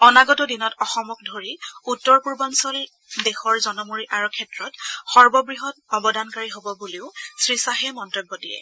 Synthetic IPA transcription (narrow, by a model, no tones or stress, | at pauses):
ɔnaɡɔtɔdinɔtɔxɔmɔk̚dʱoɹiutːɔɹpuɹbansɔl | dexɔɹzɔnɔmuɹiʔaɹukʰɛtɹɔtxɔɹbɔbɹiɦɔt̚ɔbɔdankaɹiɦobɔbuleʊsɹisaɦɛmɔntɹibːɔdiɛ̰